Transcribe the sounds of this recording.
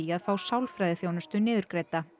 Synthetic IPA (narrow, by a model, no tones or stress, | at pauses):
iaðfaːwsawlfɾajðɪθjoːwnast̪ʏnɪːðʏɾ̥kɾejt̪a